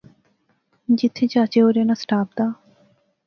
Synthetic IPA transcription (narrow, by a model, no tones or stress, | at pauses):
d͡ʒɪt̪ʰːeːt͡ʃaːt͡ʃeːoːɾeːnaːsʈaːp̚d̪aː